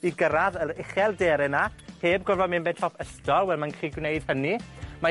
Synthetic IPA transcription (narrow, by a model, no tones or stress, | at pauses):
iɡəɾaðəɾɪχɛlˠdeːɾɛnaheːbɡɔrvɔmɪnbɛtʰɔpʰəstɔlˠwɛlˠmankriɡwnejd̥hənima